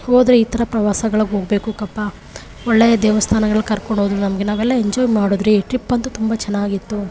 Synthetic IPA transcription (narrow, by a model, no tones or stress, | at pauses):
hoːd̪ɾeit̪ɐɾɐpɾɐʋaːsɐɡɐɭɐɡo̞ːɡbe̞ːkukɐpːa | ɔɭːeːjɐd̪eːʋɐst̪ʰaːnɐɡɐɭɐɭːkɐɾkoɳɖoʋud̪ɾunɐmɐɡenaːʋɛlːɐeɲd͡ʒɔːjmaːɽoːd̪ɾiʈɾipːɐnt̪ut̪umbɐt͡ʃɛnːaːɡit̪ːu